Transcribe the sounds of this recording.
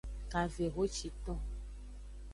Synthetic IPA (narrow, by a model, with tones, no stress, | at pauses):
ka˨ve˨ɣo˦t͡ʃi˨t̪ɔ̃˦